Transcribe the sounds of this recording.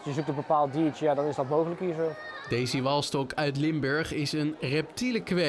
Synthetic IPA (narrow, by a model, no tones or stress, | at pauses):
sjəzuk̚təbəpaːlˠt̚diːt͡ʃəjaːdɑnɪzdɑtmowχələkɦiːɹzo | dejzəʋɑlˠstɔkœɥt̬lɪmbøɹχɪsənrɛptiləkʋɛ